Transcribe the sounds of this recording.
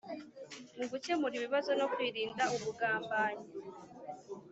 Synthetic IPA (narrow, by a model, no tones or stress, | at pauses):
muɡuce̞muɾiβiβazo̞no̞kwiːɾiːndauβuɡaːmbaːɲi